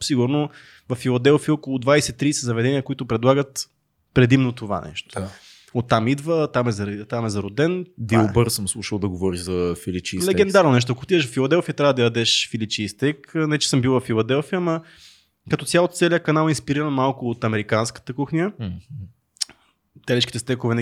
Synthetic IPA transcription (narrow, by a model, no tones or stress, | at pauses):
siɡʊɾno | vɐfilˠɐd̪ɛlˠfiəokolˠʊd̪vajsɛt̪ːɾisɛzɐvɛd̪ɛniəkoit̪ʊpɾɛd̪lˠaɡət̪ | pɾɛd̪imnot̪ova̰nʔɛ̰ʃt̪o̥ | ot̪ːamid̪vət̪amɛzɐɾt̪amɛzɐɾod̪ɛnb̪iobɤɾsəmslˠuʃəlˠd̪ɐɡovɔɾiʒzɐfilit͡ʃilɛɡɛnd̪aɾnonɛʃ̬t̪oɐkot̪id̪əʃvfilˠɐd̪ɛlˠfijət̪ɾʲavəd̪ɐjɐd̪ɛʃfilit͡ʃist̪ɛknɐɛt͡ʃɛ̥səmbilˠvɐfilˠɐd̪ɛlˠfijəmɐ | kɐt̪ɔt̪sʲjalˠot̪sɛliəkɐnalˠinspiɾiɾənmalˠkʊːt̪ɐmɛɾikanskə̥t̪əkuxnʲjə | t̪ɛlɛʃkit̪ɛst̪ɛkʊvɛn